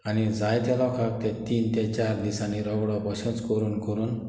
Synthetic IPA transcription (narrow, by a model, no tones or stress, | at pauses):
anid͡zajt̪jalɔkʰak̚t̪ɛt̪iːnt̪ɛ̃t͡ɕaɾd̪isaniɾɔɡɽɔbɔɕə̃nt͡skɔɾuːnkɔɾuːn